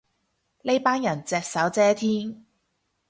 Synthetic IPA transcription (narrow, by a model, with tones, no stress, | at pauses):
le˥jpaː˥njɐ˨˩nt͡sɛː˧k̚sɐ˨˥wt͡sɛː˨˥t̪ʰiː˥n